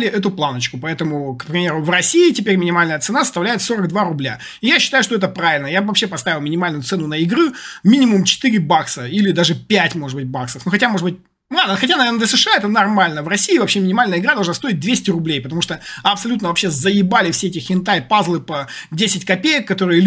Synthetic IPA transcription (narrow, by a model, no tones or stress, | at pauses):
lʲɪʔɛt̪̬ʊplˠanət͡ɕkʊpɐɛt̪əmʊkpɾʲɪmʲeɾʊvrɐsʲiɪtʲɪpʲeɾʲmʲɪnʲɪmalʲnəjət̪sɨnasə̥st̪ɐvlʲæjɪt̪soɾəɡ̚d̪vaɾʊblʲa̰ | ɪjaɕːɪt̪ajʉʂt̪oɛt̪əpɾavʲɪlʲnəjavɐpɕːepɐst̪avʲɪlˠmʲɪnʲɪmalʲnʊjʊt̪sɛnʊnəɪɡɾɨmʲinʲɪmʊmt͡ɕɪ̥t̪ɨɾʲɪbaksəilʲɪd̪aʐɨpʲætʲmo̞ʐɨd̪bɨt̚ʲbaksəfnuxɐtʲamo̞ʐɨbɨt̪̚ʲ | lˠad̪nəxɐtʲanɐvernəd̪lʲəsɨʂɨaɛt̪ənɐrmalʲnəvrɐsʲiːvɐpɕːemʲɪnʲɪmalʲnəɪɡɾad̪ɐʐnast̪o̞ɪt̚ʲd̪vʲesʲtʲɪɾʊblʲejpət̪ɐmuʂt̪əɐpsɐlʲut̪nəvɐpɕːezəjɪbalʲɪfsʲeɛtʲɪxʲɪnt̪ajpazlˠɨpɐdʲesʲɪtʲkɐpʲejəkːɐt̪o̞ɾɨjə